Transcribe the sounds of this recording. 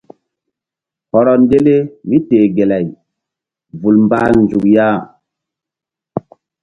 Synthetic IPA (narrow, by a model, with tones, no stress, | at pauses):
hɔ˨ɾɔ˨nde˦le˦mi˦te˨ɡe˨la˨j | vu˨lmba˦nd͡ʒu˨kja˦˨